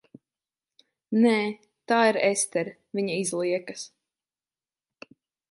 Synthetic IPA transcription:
nɛː | t̪aːiɾɛst̪ɛɾ | viɲaizlˠiɛkɐs

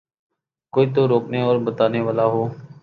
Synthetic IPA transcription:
koːiːt̪oːɾoːkneːɔːɾbət̪aːneːʋaːlaːɦoː

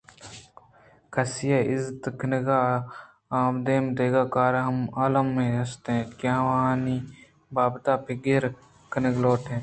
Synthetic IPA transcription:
kʰɐsɪjaɪzt̪kʰnəɡa | aːmd̪eːmd̪eːɡaːkaːɾɦɐmaːləmːẽɐst̪ɦẽkjãʋɐɦãːni | baːbt̪aːpʰeɡeɾ | kənɪɡloːʈʰẽː

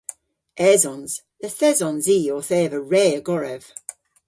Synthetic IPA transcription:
ʔɛːzɔnz̥ðəθɛzɔ̃nziːɔθɛːvəɹɛːəɡɔɹɛv̥

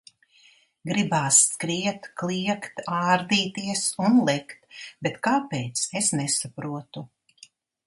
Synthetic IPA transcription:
ɡɾibaːskɾiɛt̪klˠiɛkt̪aːɾd̪iːt̪iɛsunlˠɛkt̪bet̪kaːpeːt̪sesnɛsapɾuɔt̪u

